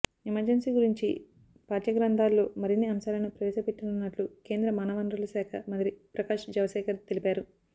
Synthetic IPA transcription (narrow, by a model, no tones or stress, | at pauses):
ɛmɐɾd͡ʒɐnsiːɡuɾiɲt͡ʃḭ | paːɾjɐɡɾɐnd̪ʱaːlːoːmɐɾinːiɐmsaːlɐnupɾɐʋɛːʃɐpeʈːinunːɐʈluke̞ːnd̪ɾɐmaːnɐʋɐnɾɐlɐsaːkʰɐ̰mɐd̪ɾipɾɐkaːʂd͡ʒɐʋɐʃɛːkɐɾt̪elipaːɾu